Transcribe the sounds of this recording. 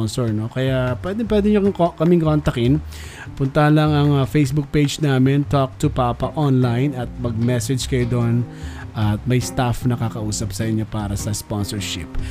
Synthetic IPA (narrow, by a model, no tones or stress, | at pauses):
nsɔɹno̞kɐjapwɛd̪ɪŋpwɛd̪ɪɲokkɐmiŋkont̪ɐkɪn | pʊnt̪ɐhɐnlɐŋɐŋfejsbuk̚pejd͡ʒnaːmɪnt̪ok̚t̪ʊpaːpɐʔonlajnɐt̪̚mɐɡ̚mɛsɛd͡ʒkɐjod̪on | ʔɐt̪̚mɐjst̪afnɐkakɐʔuːsɐp̚sɐʔɪɲjo̞paːɾɐsɐsponsɔɹʃɪ̰p